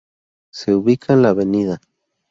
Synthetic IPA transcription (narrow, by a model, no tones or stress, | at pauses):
seuβikʰanlaβeniða